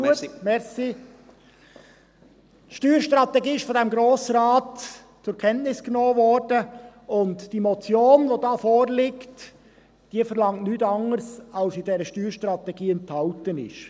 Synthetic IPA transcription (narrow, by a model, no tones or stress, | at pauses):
uəmɛɾsi | tʃtyːɾʃtɾɑt̪ɛɡiːɪʃfɔdɛmɡɾoːsɾɑːt | t͡sʊɾkʰɛntnɪsɡ̥noːvɔɾd̥əʊntd̥imɔt͡sjoːnʋodɑːfoːɾlɪkt | d̥iəfəɾlɑŋtnyːtɑŋəɾsɑlsɪdɛɾəʃtyːɾʃtɾɑt̪ɛɡ̥iːɛnthɑltənɪ̰ʃ